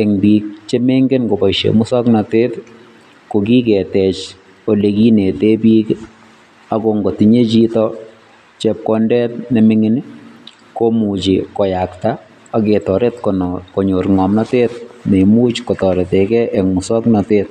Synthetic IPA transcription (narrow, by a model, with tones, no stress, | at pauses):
ɛŋbiːk̚t͡ʃe˦me˦ŋɡe˦nko˨pa˨ʃḛmʊ˦sɔ˦knateː˦t | ko˨ki˦kɛ˨tɛ˨t͡ʃ | o˨leki˦ne˨te˦piː˦k | akoŋɡo˨ti˨ɲe˦t͡ʃitɔ | t͡ʃɛp̚kɔndɛ˦t̚ne˨mɪŋɪn˦ | komut͡ʃikɔ˨jakta | ake˨tɔ˨ɾetkonko˨ɲo˨ɾŋɔ˨mnatet̚ne˨mu˦t͡ʃko˨tɔ˨ɾe˨tɛkɛʔɛ˨ŋmu˨sɔ˦knatet̚